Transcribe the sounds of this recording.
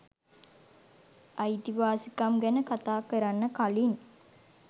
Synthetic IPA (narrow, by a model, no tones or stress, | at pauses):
ajt̪iʋaːsikamɡænəkat̪aːkəɾanːəkalin